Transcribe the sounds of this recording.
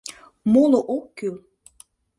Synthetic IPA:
moloʔokːyl

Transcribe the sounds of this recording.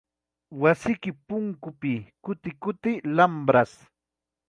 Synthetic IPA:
wasɪkɪpʊŋkʊpɪkʊt̪ɪkʊt̪ɪlampɾas

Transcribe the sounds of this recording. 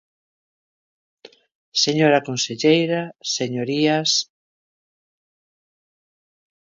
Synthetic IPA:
seɲoɾakonseʎejɾaseɲoɾias

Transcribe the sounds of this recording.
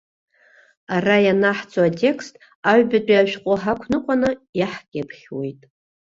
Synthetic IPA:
arajanaħt͡sʰʼoatʰʲʼe̞kʰstʼ | aɥbɨt͡pʼaʃᶣqʷʼoħakʷʰnɨqʷʼanɨjaħɡʲʼapʰχʲwe̞̰jtʼ

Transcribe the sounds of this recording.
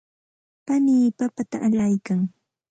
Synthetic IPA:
paniːpapat̪aʔaʎajkaŋ

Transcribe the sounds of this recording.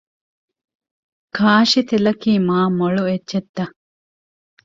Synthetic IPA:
kʰaːʃit̪elɐkiːmaːmoɭuetːt͡ʃet̪ːɐ

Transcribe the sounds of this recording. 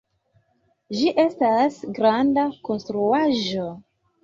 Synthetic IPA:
d͡ʒiʔe̞stasɡɾandako̞nstɾuaʒo̞

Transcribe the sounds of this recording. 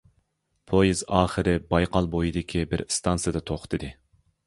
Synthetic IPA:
pʰojizɑːχɨɾɪbɑjqʰɑlˠbojid̪ɪkʲʰibɪɾst̪ʰɑnsɨjd̪ɨt̪ʰoχt̪ʰɨd̪ɨ

